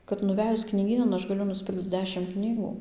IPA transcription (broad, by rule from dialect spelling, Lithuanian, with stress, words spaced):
kɐt nʊˈʋʲæːjʊs knʲiːˈɡʲiːnɐn ˈɐʃ ɡɐˈlʲʊ nʊsʲˈpʲɪrkt͡s ˈdʲæːʃʲɪm ˈknʲiːɡuː